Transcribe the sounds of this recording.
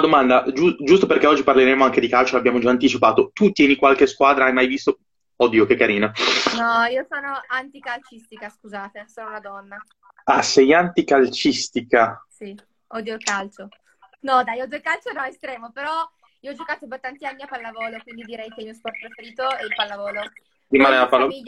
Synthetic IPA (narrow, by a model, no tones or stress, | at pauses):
d̪omand̪ad͡ʒud͡ʒust̪operkeɔd͡ʒːiparleɾeːmoaŋk̟ed̪ikalt͡ʃoabːjaːmod͡ʒaːnt̪it͡ʃipaːt̪ot̪ut̪jɛːnikwalk̟eskwaːd̪ɾaajmajvist̪o | ɔd̪jokekːaɾiːnonɔiːosoːnoant̪ikalt͡ʃist̪ikaskuzaːt̪esoːnounad̪ɔnːa | asɛjant̪ikalt͡ʃist̪ikasi | ɔd̪jokalt͡ʃo | nɔd̪ajɔd̪iokalt͡ʃonɔest̪ɾɛːmopeɾɔ | iːoɔd͡ʒokaːt̪opɔt̪ːant̪ianːiapalːavɔːlekwind̪id̪iɾɛjk̟elmiːospɔrt̪̚pɾefeɾiːt̪oɛilpalːavɔːlo | ɾimaːneapalː